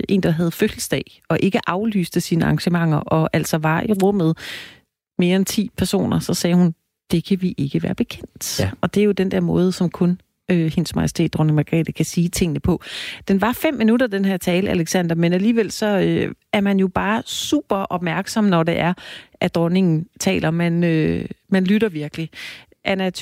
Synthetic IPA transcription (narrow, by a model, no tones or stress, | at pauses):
ʔe̝̰ːnd̥ɑ̈ɦɛð̞̩ˠføljəsd̥ɛ̰ːɪ | ɒ̽ʔe̝ɡ̥əʔɑ̈ʊly̰ːsd̥əsiːnəɑ̈ŋɕəmɑ̈ŋ̰ɐʔɒ̽ʔæl̰sɒ̽ʋɑ̈ʔiʁɔ̽m̰ð̞̩ˠ | me̝ːɐent͡sʰḭːpʰæɐso̝̰ːnɐsɒ̽sɛːhun | d̥e̝kʰæʋiʔe̝ɡ̥əʋæ̰ːɐb̥e̝kʰen̰d̥ɒ̽d̥e̝æjo̝d̥end̥eɐmɔ̽ːð̞̩ˠəsɒ̽mkʰɔ̽n | øhensmɑ̈jsi̥t͡sʰe̝̰ːd̥ʁɔne̝ŋmɑɡ̥ʁɛ̰ːd̥əkʰæsiːt͡sʰe̝ŋ̰ənəpʰɒ̽d̥enʋɑ̈fem̰ːinuɾɐd̥enhæɐ̰t͡sʰɛːləæleɡ̥sænd̥ɐmenæliːʋel̰sɒ̽øæɐmænjo̝b̥ɑ̈ːsṵːb̥ɐʔɒ̽b̥̚mæɐɡ̥sɒ̽mnɒd̥e̝ʔæɐʔæd̥ʁɔne̝ŋn̩t͡sʰɛ̰ːlɐmænømænlyɾɐʋiɐɡ̥əli | ʔænæ